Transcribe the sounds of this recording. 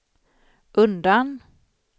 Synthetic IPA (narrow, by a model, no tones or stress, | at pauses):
ʔɵnd̪an